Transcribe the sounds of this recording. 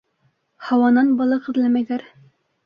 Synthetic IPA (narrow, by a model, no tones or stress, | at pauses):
hɑwɑnɑnbɑlˠɑqɤ̆ðlæmæjlæɾ